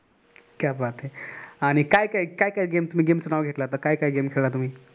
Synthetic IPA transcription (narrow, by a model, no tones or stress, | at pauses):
kjabat̪ɦeaɽ̃ikaikaikaɦikaiɡemt̪um̤iːɡemsənaʋɡʱeʈlat̪əkaikaiɡemkʰeɭlat̪um̤iː